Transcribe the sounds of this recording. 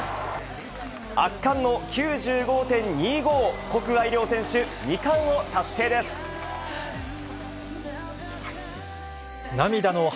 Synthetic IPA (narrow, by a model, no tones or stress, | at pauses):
akːãnːo̞kʲɨːʑɨːɡo̞t̪ẽ̞ɲɲiːɡo̞ːko̞kɯ̟βaiɾʲjo̞ːsẽ̞ɰ̃ɕɨɲikãɰ̃ot̪aske̞ːd̪e̞sɨ̥ | namʲid̪ano̞